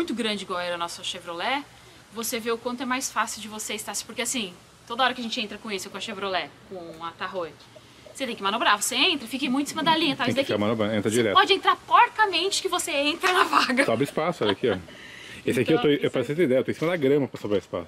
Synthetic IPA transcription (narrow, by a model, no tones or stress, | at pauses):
mũj̃t̪ʊɡɾɐ̃d͡ʒɪɡɔwɛɾɐnɔsɐʃevɾolɛ | voseveʊkwɐ̃nt̪ʊɛmajsfasɪwd͡ʒɪvoseɪst̪aɾspoɾkeasĩ | t̪od̪ɐɔɾɐkɪɐʒẽnt͡ʃɪẽnt̪ɾɐkõesɪkõɐʃevɾolɛkõɐt̪aɦoj | set̪ẽj̃kɪmanobɾavoseẽnt̪ɾɐfikẽmũt̪ĩsimɐd̪alĩɲɐt̪aṽd̪eakamɐnobɾɐ̃ẽnt̪ɾɐd͡ʒiɾɛ̰t̪pɔd͡ʒɪẽnt̪ɾapɔɾt̪ɐmẽnt͡ʃɪ̥kɪvoseẽnt̪ɾɐnɐvaɡɐsɔbɾɪispasʊɔɛʎɐkʰiɔ | esɪakiewt̪oewpaɾɛset̪ẽid̪ɛjɐet̪õsimɐd̪ɐɡɾɐ̃mɐpɾɐsobɾaispa̰sʊ̥